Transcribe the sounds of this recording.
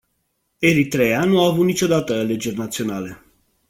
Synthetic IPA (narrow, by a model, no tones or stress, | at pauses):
e̞ɾit̪ɾe̞anuaːvut̪nit͡ʃo̞d̪at̪əale̞d͡ʒe̞rʲnat̪sio̞nale̞